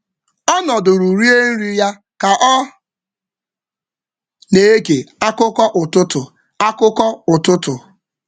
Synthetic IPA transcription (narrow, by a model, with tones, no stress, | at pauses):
ɔ˦nɔ˨dʊ˨ɾu˨ɾi˦e˦n̩˦ɾi˦ja˦ | ka˨ʔɔ˦ | ne˨˦e˦ɡe˨a˦kʊ˦kɔ˦ʔʊ˨tʊ˦tʊ˨ | a˦kʊ˦kɔ˦ʊ˨tʊ˦tʊ˨